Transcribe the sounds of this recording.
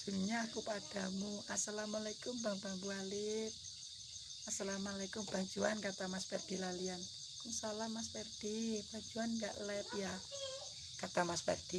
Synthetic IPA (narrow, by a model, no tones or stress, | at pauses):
sulɲakupad̥a̤muasalamalakʊmbambambualɪt̪̚ | asalamalakʊmb̥a̤ɲd͡ʒuankat̪amaspɛrd̥ilalian | kuŋsalahmas̬pɛrd̥ib̥a̤ɲd͡ʒuanŋɡa̰ʔlɛp̪ja | kat̪amaspɛ̰rd̥i